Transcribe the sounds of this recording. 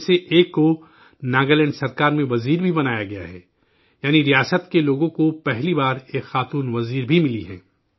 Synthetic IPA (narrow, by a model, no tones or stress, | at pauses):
seʔeːkːo | naːɡəlɛ̃ːɳɖsɐɾkaːɾmẽʋɐziːɾbʱibɐnaːjaɡɐja̰ɦɛː | jaːniɾijaːsət̪keloːɡõkopɛɦlibaːɾeːkxaːt̪uːnʋɐziːɾbʱimɪliɦɛ̰̃ː